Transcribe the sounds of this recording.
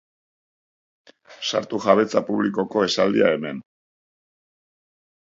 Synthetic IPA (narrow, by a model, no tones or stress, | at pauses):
sa̰ɾt̪uʝaβe̞t͡sapuβ̞liko̞ko̞e̞sald̪ia̰e̞me̞n